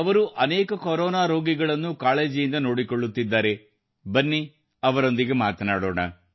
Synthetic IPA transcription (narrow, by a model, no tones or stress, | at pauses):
ɐʋɐɾuʔɐneːkɐkoɾɔːnaːɾo̞ːɡiɡɐɭɐnːukaːɭe̞ːd͡ʒijind̪ɐno̞ːɽikoɭːut̪ːid̪ːaːɾe̞ | bɐnːi | ɐʋɐɾo̞nd̪iɡe̞maːt̪ɐnaːɽo̰ːɳɐ̰